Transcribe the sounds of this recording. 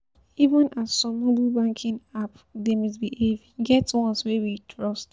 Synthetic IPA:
ivə̃nʔasːɔ̃mːobilbãŋkʰĩnap | demɔs̬biev | ɡɛtwɔ̃nswɛwitʰɹɔst

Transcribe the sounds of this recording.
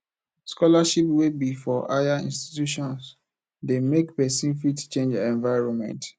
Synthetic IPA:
skɔlaʃipwebifɔʔa̰jaḭ̃nsti̥tjuʃɔ̃ns | demekpɛsĩnfitt͡ʃẽnd͡ʒɛ̃nvaɪɹɔ̃nmɛ̰̃nt

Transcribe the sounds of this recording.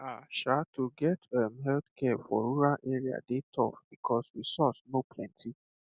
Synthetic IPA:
aʃatʰuɡɛtɛmɦɛldkʰɛfɔ̰ɾuɾaʔɛɹia̰detʰɔ̰fb̥ikʰɔswisɔtnopʰlɛ̃ntʰi

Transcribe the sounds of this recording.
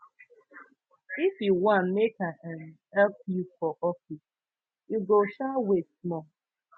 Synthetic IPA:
ifjuwãnmekaɛn | ɛp̚jufɔʔɔfis | iɡoʃawesmɔ

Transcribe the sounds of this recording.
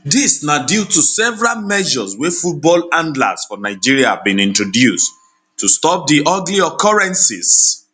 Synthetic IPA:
disnadjutusɛvɛɹalmɛʒɔzwɛfut̚bɔlãndla̰sfɔnaɪd͡ʒiɹiahavbĩnĩntɹɔdjust | tːustɔp̚diʔɔɡliɔkʰɔɹɛ̃nsḭz̥

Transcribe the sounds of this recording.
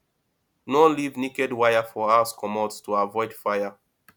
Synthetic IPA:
nɔlivnikɛdwajafɔaskʰɔmɔdstʰuavɔɪd̥faja

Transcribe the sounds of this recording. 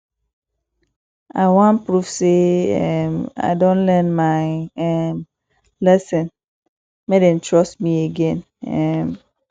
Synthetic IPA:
a̰ɪwãnpɹufseɛma̰ɪdõnlɛ̃nmaɪɛm | lɛsɛ̃n | medɛ̃ntʰɹɔstmieɡɛ̃n | ɛm

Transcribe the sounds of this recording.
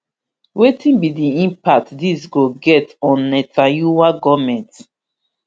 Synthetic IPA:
wetʰĩnbidiĩmpak̚tdisɡoɡɛtɔ̃nːɛtajuwaɡɔmɛ̃nt

